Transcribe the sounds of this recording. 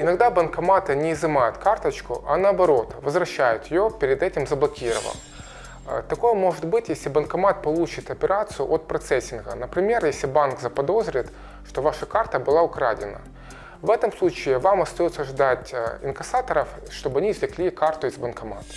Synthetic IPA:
ɪnɐɡd̪abənkɐmat̪ɨnʲɪːzɨmajʊt̪kart̪ət͡ɕkʊ̰ʔɐnəɐbɐɾo̞t̪vəzvɾɐɕːæjʊt̪jɪjopʲɪɾʲɪd̪ɛtʲɪmzəblˠɐkʲiɾə̰və̰lˠ | t̪ɐko̞jəmo̞ʐɨt̪bɨtʲjesʲlʲɪbənkɐmat̪̚pɐlˠut͡ɕɪt̪ɐpʲɪɾat̪sɨjʊ̰ʔot̪pɾɐt̪sɛsʲːɪnɣənəpɾʲɪmʲe̞rjesʲlʲɪbankzəpɐd̪o̞zɾʲɪt̪ | ʂt̪o̞vaʂəkart̪əbɨlˠaʊkɾa̰dʲɪ̰nə̰ | vɛt̪əmslˠut͡ɕɪːvamɐst̪ɐjot̪səʐd̪atʲɪ̰nkɐsat̪əɾəf | ʂt̪o̞bɨɐnʲiːzlʲɪklʲikart̪ʊɪzbənkɐma̰t̪

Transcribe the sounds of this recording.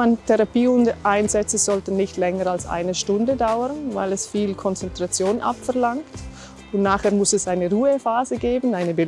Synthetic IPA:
antʰɛʁapiːʊndəʔaɪnzɛt͡səz̥ɔltn̩nɪçtlɛŋəɾalsʔa̰ɪnəʃtʊndədaʊəʁnva̰ɪlɛsfiːlkʰɔnt͡sɛntʁ̥at͡sjoːnʔa̰pfɛɐʁlaŋkt | ʊntnaːχheːɐmʊsɛsʔaɪnəʁuːəfaːzəɡeːbənaɪnəbɪ

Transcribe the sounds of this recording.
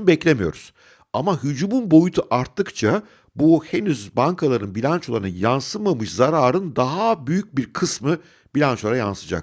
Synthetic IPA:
bɛclʲe̞mijoɾuz̥ | amaɦyd͡ʒuːmunbo̞jut̪ʰuʔaɾt̪ʰːɯkt͡ʃʰa | buhe̞nyzbaŋkʰalˠaɾɯnbilʲant͡ʃolˠaɾɯnɯnjansɯmamɯʃzaɾaːɾɯnd̪aɦabyjyc̚biɾkʰɯsmɯ | b̥ilʲant͡ʃolˠaɾajansɯd͡ʒa̰k̚

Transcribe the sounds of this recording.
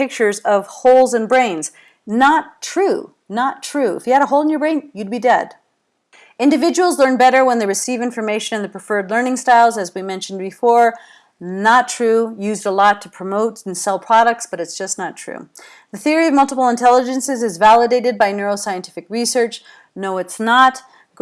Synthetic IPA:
pɪk̚t͡ʃə˞zʌv̥hoʊlˠzɨ̃nbɹẽɪ̃nz̥ | nətʰɹ̥ʉ | nətʰɹ̥ʉɪ̰fjɨhɨɾəɦoʊl̃ˠnjə˞bɹẽɪ̃njɨd̚bidɛd̥ | ɪ̃ndɨvɪd͡ʒɨwl̩ˠzlɜ̃˞nbɛɾə˞wə̃nðɨɹɨsivɪ̃ɱfə˞meɪʃɨ̃nɨ̃nðɨpʰɹ̥ɨfɜ˞dˡlɜ̃˞nɪ̃ŋstaɪlˠzɨzwimɛ̃nʃn̩bɨfɔɹ | nətʰɹ̥ʉjʉzdəlɔtʰəpʰɹ̥əmoʊtn̩sɛlˠpʰɹ̥ɑɾɨk̚tsb̥ʌɾɨtsd̥ʒ̥ʌsnətʰɹ̥ʉ̰ | ðɨθɪɹiʌvmʌlˠtəpl̩ˠə̃ntʰɛlˠəd͡ʒɨ̃nsɨzɨzvælˠədeɪɾɨd̚baɪnɜɹoʊsaɪɨ̃ntʰɪ̥fɨkɹisɜ˞t͡ʃ | noʊɨtsnət

